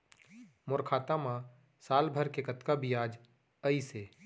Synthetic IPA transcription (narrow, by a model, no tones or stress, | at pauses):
mʊɾkʰaːt̪amã | saːlbʱəɾkekət̪kabijaːd͡ʒ | əiseː